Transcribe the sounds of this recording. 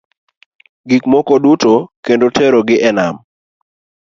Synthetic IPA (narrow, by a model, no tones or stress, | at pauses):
ɡikmɔkɔdutokendotʰɛɾoɡɪʔɛnam